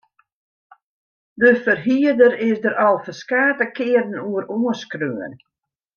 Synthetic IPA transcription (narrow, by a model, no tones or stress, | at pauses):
dəfərɦiədəɾɪsdəɾɔlˠfəskaːtəkɪːərdən̩uəɾuəskrøːən